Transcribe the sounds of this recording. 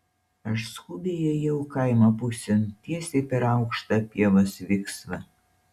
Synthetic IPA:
ɐʃskʊbʲejɛjɛʊkɐɪmɐpʊsʲɛnt̪ʲiɛsʲɛpʲɛɾɐˑʊkʃt̪ɐpʲiɛʋosʋʲɪksʋɐ

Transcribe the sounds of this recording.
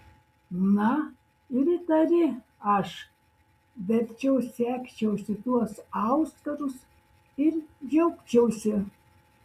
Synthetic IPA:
nɐ | ɪɾɪt̪ɐɾʲɪ | ɐʃ | bʲɛt̪t͡ʃʲɛwsʲæːkʲt͡ʃʲɛwsʲɪt̪uɔsɑwst̪ɐɾʊs | ɪrjɛwkt͡ʃʲɛwsʲɪ

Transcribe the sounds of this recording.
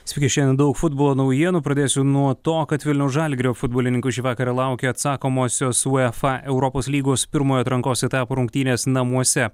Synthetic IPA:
sʲʋʲɪkʲɛʃʲɛnʲd̪ɐʊkfʊd̪̚boɔːlˠoːnɐʊjiɛnʊːpɾɐd̪ʲeːsʲʊnuɔt̪oːkɐt̪ʋʲɪlʲnʲɛʊsʒɐlʲɡʲɾʲoːfʊd̪̚boɔlʲɪnʲɪŋkʊʃʲiːʋɑːkɐɾɐlˠɑˑʊkʲeːɐt̪sɑːkoːmoːsʲoːsuːɛfɐʔɛʊɾɔpoːslʲiːɡoːspʲɪɾmoːjoːt̪ɾɐŋkoːsɛt̪ɑːpoɾʊŋkt̪ʲiːnʲeːsnɐmuɔsʲɛ

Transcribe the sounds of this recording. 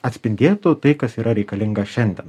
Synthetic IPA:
ɐt̪ʲsʲpʲɪnʲd̪ʲeːt̪ʊt̪ɐɪkɐsiːɾʔɐɾʲɛɪkɐlʲɪŋɡɐʃʲɛnʲd̪ʲɛn

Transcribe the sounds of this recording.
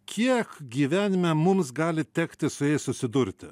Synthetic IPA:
kʲʰiɛkɡʲiːʋʲæːnʲɪmʲɛmʊmsɡɑːlʲɪt̪ʲɛkt̪ʲɪsʊjɛɪssʊsʲɪd̪ʊɾʲt̪ʲɪ

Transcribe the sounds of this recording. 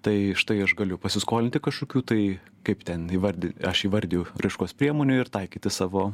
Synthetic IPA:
t̪ɐɪʃt̪ɐɪɐʃɡɐlʲʊpɐsʲɪskoːlʲɪnt̪ʲɪkɐʃkoːkʲuːt̪ɐɪ | kɐɪpt̪ʲɛniːʋɐɾʲd̪ʲɪɐʃiːʋɐɾʲd̪ʲjʊɾɐɪʃkoːspʲiɛmoːnʲʊɪɾt̪ɐɪkʲiːt̪ʲɪsɑːʋoː

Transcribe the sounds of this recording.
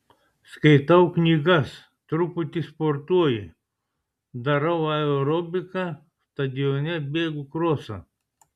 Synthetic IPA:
skɐɪt̪ɐʊknʲiːɡɐs | t̪ɾʊpʊt̪ʲispoːɾt̪uɔjɪ | d̪ɐɾɐʊɐoɾɔbʲɪkɑ | st̪ɐd̪ʲɪjoːnʲɛbʲeːɡʊkɾoːsɐ̰

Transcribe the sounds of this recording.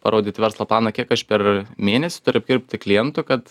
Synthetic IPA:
pɐ̰ɾʔoːd̪ʲiːt̪ʲɪʋʲɛɾslˠɐːplˠɑːnɐkʲiɛkɐʃpʲɛrmʲeːnʲɛsʲɪ̥t̪ʊɾʲʊɐb̚ʲɡʲɪɾʲpʲt̪ʲɪklʲɪjɛnt̪ʊkɐt̪

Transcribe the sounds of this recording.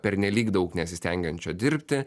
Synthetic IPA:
pʲɛɾʲnʲɛlʲiːkd̪ɐʊknʲɛt̪sʲɪsʲt̪ʲɛŋʲɡʲɛnt͡ʃʲoːd̪ʲɪɾʲpʲt̪ʲɪ

